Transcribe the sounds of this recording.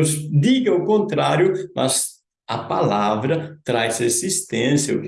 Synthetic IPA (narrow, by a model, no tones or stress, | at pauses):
sd̪iɡẽukõnt̪ɾaɾjumas | a̰palavɾɐt̪ɾajsesist̪ɛ̃nsjɐu